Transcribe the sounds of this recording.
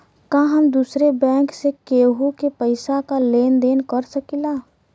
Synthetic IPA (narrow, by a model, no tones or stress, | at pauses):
kãɦəmd̪usɾebɛ̃ːŋksekeɦukepəɪsakaleːnd̪eːnkəɾsəkila